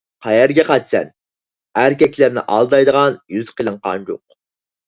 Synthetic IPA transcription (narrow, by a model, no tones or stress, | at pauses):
qʰɑjæɾɡʲɛqɑjt̪sɛ̰n | æɾkʲɛkʲlæɾnɪ̰ʔɑlˠd̪ɑjd̪əʁɑnjyz̥qʰəlˠəɴqɑ̰nd͡ʒo̰q